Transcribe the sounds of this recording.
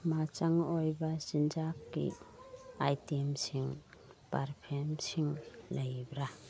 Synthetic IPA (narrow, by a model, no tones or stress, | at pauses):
mat͡ʃaŋojbasind͡ʒakːḭ | ajtemsiŋpaɾpʰemsiŋlɐjbɾa